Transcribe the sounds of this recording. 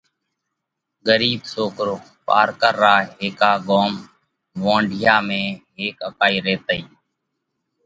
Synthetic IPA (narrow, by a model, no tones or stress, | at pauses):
ɡəɾiːbsoːkɾoː | pa̰ːɾkəɾːaːɦeːkaːɡoːm | ʋãːɳɖʱɪjaːmẽːɦeːkəkaːiːɾeːt̪əiː